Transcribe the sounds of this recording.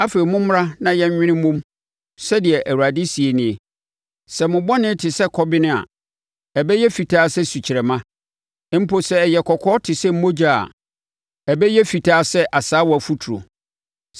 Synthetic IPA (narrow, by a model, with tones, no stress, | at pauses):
a˦fe˨ɾi˨mʊ̃˦mʊ˦ɾa˦nã˦jɛ˦ɲ˦ɲᶣɪ̃˦nɪ̃˦mʊ̃˦m | sɛ˦dɪ˨ɛ˨ʔæ˨wu˨a˨dɪ˦si˨e˨nɪ̃˨ɛ˨ | sɛ˨mʊ̃˨bɔ˦nɪ̃˦tʰɪ˨sɛ˦kʰɔ˦bɪ˦nɪ̃˦a̰˨ | ɛ˨bɛ˦jɛ˦fi˨tʰaː˦sɛ˦su˨t͡ɕʰɪ˨ɾɛ˨mã˦ | m̩˦pʰo˨sɛ˦˨jɛ˨kʰɔ˨kʰɔː˦tʰɪ˨sɛ˦m̩˦mõ˦d͡ʑa˨a̰˨ | ɛ˨bɛ˦jɛ˦fi˨tʰaː˦sɛ˦ʔa˨saː˨˦wɔ˨æ˨fu˦tʰu˨ɾo̰˨